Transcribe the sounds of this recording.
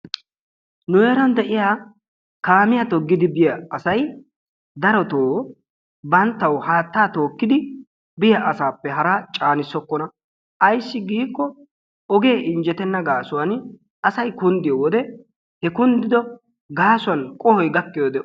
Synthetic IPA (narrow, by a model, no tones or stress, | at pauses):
nʊjeːɾɐnd̪ɛʔɪjaː | kaːmɪjɐt̪ɔɡːɪd̪ɪbɪjɐːsɐj | d̪ɐɾɔt̪oː | bɐnt̪ːɐwhaːt̪ːaːt̪o̞ːkːɪd̪ɪ | bɪjɐʔɐsaːpːɛɦɐɾat͡ʃʼaːnɪsːɔkːɔnɐ | ʔɐjsːɪɡiːkːɔ | ɔɡe̞ːʔɪnd͡ʒɛt̪ɛnːɐɡaːsʊwɐn | ɐsɐjkʊnd̪ɪjɔwɔd̪ɛ | hɛkʊnd̪ɪd̪ɔ | ɡaːsʊwɐnkʼɔhɔjɡɐkːɪjod̪ɛʔ